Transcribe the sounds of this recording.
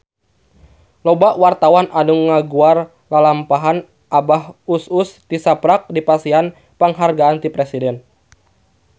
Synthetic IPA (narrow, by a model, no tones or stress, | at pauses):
lɔbaʔwart̪awanʔanuŋŋːaɡuar | lalampaɦan | ʔabahusust̪isapɾak̚dipasian | pəŋɦarɡaːnt̪ipɾɛsidɛn